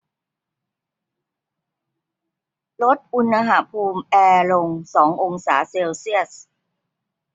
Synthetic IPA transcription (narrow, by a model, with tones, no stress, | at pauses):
lo˦˥t̪̚ʔu˧nːa˧ɦa˩pʰuː˧mʔɛː˧lo˧ŋsɔː˩˦ŋʔo˧ŋsa̰ː˩˦seː˧wsi˥˩əs